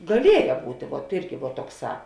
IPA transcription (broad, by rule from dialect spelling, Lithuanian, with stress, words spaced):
ɡɐˈlʲiɛjɛ ˈbuːtʲeː ʋuɔt ˈɪrʲɡʲɪ ʋuɔt ˈtoːkˌsɑː